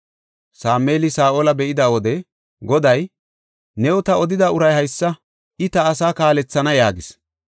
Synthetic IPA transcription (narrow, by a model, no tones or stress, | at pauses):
saːmeːlɪsaːʔoːlɐbɛʔɪd̪ɐwɔd̪ɛ | ɡɔd̪ɐj | nɛwɔt̪ɐɔd̪ɪd̪ɐʊɾɐjhɐjsːɐ | ɪt̪ɐːsaːkaːlɛt͡sːɐnɐjaːɡɪs